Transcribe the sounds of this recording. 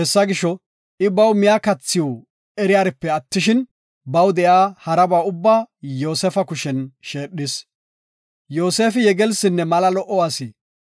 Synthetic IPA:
hɛsːɐɡɪʃɔ | ʔɪbɐwmɪjakɐt͡sːɪjo | ɛɾɪjaːɾɪpːɛɐt̪ːɪʃɪn | bɐwd̪ɛjaːhɐɾɐbaːʊbːaːjo̞ːsɛfɐkʊʃɛnʃe̞ːɗːɪs | jo̞ːseːfɪjɛɡɛlsɪnːɛmɐlɐlɔʔɔwaːsɪː

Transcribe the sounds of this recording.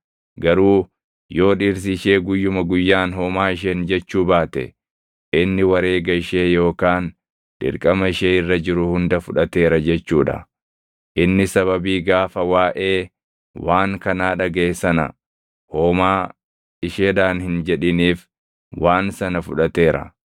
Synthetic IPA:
ɡɐɾuː | jo̞ːᶑiːɾs̬ɪːʃe̞ːɡʊjːʊmɐɡʊjːaːnɦoːmaːɪʃ̬end͡ʒɛt͡ʃːuːbaːt̪ɛ̰ | ʔɪnːɪwɐɾe̞ːɡɐɪʃeːjo̞ːkaːn | ᶑ̪̥ɪ̰ɾkʼɐmɐɪʃeːɪrːɐd͡ʒɪɾʊhʊnd̪ɐfʊᶑɐt̪e̞ːɾɐd͡ʒɛt͡ʃːuːᶑɐ̰ | ʔɪnːɪsɐβɐbiːɡaːfɐwaːʔe̞ː | waːŋkɐnaːᶑɐɡeːsɐnɐ̰ | hoːmaː | ɪʃeːᶑaːnhɪnd͡ʒɛᶑɪniːf | waːnsɐnɐfʊᶑɐt̪e̞ːɾɐ̰

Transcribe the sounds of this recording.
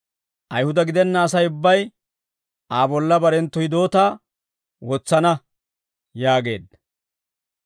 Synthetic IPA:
ʔɐjhʊd̪ɐɡɪd̪ɛnːɐːsɐjʊbːɐj | aːbɔlːɐbɐɾɛnt̪ːɔjɪd̪o̞ːt̪aː | wɔt͡sːɐnɐ | jaːɡe̞ːd̪ɐ

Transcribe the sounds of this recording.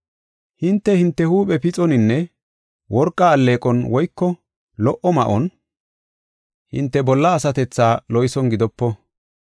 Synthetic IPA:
hɪnt̪ːɛhɪnt̪ːɛhuːpʼɛpɪt͡sʼɔnɪnːɛ | wɔɾkʼːaːlːeːkʼɔnwɔjkːɔ | lɔʔɔmɐʔɔn | hɪ̰nt̪ːɛbɔlːɐːsɐt̪ɛt͡sːaːlɔjsɔnɡɪd̪ɔpːɔ

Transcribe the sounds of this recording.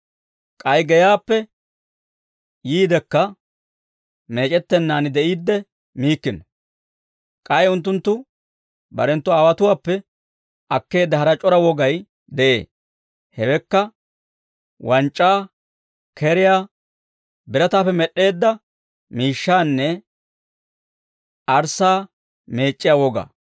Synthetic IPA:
kʼɐjɡɛjaːpːɛ | jiːd̪ɛkːɐ | me̞ːt͡ʃʼɛt̪ːɛnːaːnɪd̪ɛʔiːd̪ːɛ | miːkːɪnɔ | kʼɐjʊnt̪ːʊnt̪ːʊ | bɐ̰ɾɛnt̪ːʊaːwɐt̪ʊwaːpːɛ | ʔɐkːe̞ːd̪ːɐɦɐɾɐt͡ʃʼɔɾɐwɔɡɐj | d̪ɛʔḛː | hɛwɛkːɐ | wɐnt͡ʃʼːaː | kʰɛɾɪjaː | bɪɾɐt̪aːfːɛmɛɗːe̞ːd̪ːɐ | miːʃːaːnːɛ | ʔɐɾsaː | me̞ːt͡ʃʼːɪjawɔɡa̰

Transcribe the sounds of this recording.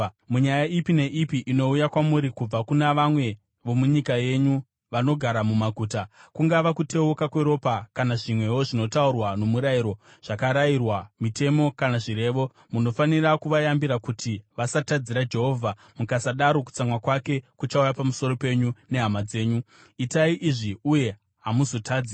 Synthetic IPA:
muɲajaipine̞ʔipiʔino̞ujakwamuɾikub͡vakunaʋamwe̞ | ʋo̞muɲikaje̞ɲu | ʋano̞ɡʱaɾamumaɡʱuːtakuŋɡaʋakute̞okakwe̞ɾo̞pakanaʐimwe̞woʐino̞taurwano̞muɾajiɾo̞ | ʐ̥akaɾairwamite̞mo̞kanaʐiɾe̞ːʋo̞ | muno̞fanirakuʋajambiɾakutʰiʋasatad͡ziɾad͡ʒe̞ɦo̞ːvʱa | mukasaɗaɾo̞ku̥t͡samwakwake̞kut͡ʃaujapamuso̞ɾo̞pe̞ɲune̞ɦamad͡ze̞ːɲu | itaiʔiʐiuje̞ | ɦamuzo̞tʰaːd͡zi

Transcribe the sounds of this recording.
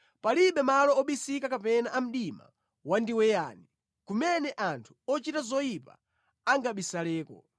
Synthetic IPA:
paliɓɛmalɔɔɓisikakapɛnaʔam̩ɗima̰ | wandiwɛjaːni | kumɛnɛʔantʰu̥ɔt͡ʃitazɔjipa̰ | aŋɡaɓisalɛːkɔ̰

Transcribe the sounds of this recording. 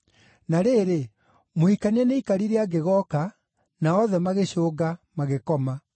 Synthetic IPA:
naɾeːɾe | moikaniɛneikaɾiɾeaɡeɣɔka | naɔðɛmaɣeɕoːɡamaɣekɔma

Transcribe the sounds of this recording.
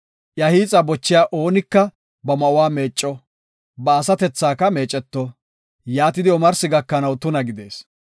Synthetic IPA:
ʔjɐhiːt͡sʼɐbɔt͡ʃːɪjaːʔo̞ːnɪkːɐ | bɐmɐʔʊwaːme̞ːt͡ʃʼːɔ | bɐːsɐt̪ɛt͡sːaːkɐme̞ːt͡ʃʼɛt̪ːɔ | jaːt̪ɪd̪ɪɔmɐɾsɪɡɐkːɐnɐwt̪ʊnɐɡɪd̪e̞̰ːs

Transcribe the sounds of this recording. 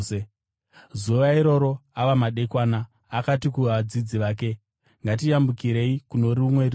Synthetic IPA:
e | zuʋaiɾo̞ɾo̞aʋamaɗekwaːnaː | katikuʋaad͡zid͡ziʋaːk̬e̞ | ŋɡatijambukiɾe̞ikuno̞ɾiumwe̞ri

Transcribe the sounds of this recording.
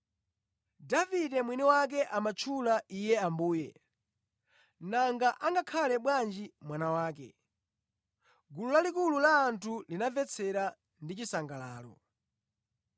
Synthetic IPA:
davidɛmwiniwak̬ɛʔamat͡ʃʰulaʔijɛambuːjɛ̰ | naŋɡaʔaŋɡakʰalɛɓwand͡ʒimwanawaːk̬ɛ̰ | ɡululalikululaːntʰulinavɛt͡sʰɛɾa | ndit͡ʃisaŋɡala̰ːlɔ̰

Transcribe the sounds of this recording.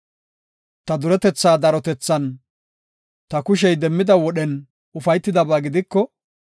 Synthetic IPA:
t̪ɐd̪ʊɾɛt̪ɛt͡sːaːd̪ɐɾɔt̪ɛt͡sːɐn | t̪ɐkʊʃ̬ɛjd̪ɛmːɪd̪ɐwɔɗɛn | ʊfɐjt̪ːɪd̪ɐbaːɡɪd̪ɪkːɔ

